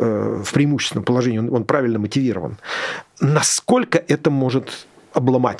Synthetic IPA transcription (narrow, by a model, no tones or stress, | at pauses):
əfpɾʲɪːmuɕːsʲɪnəmpəlˠɐʐɛnʲɪono̞npɾavʲɪlʲnəmətʲɪvʲiɾə̰və̰n | nɐsko̞lʲkəʔɛt̪əmo̞ʐɨt̪ | ɐblˠɐma̰tʲ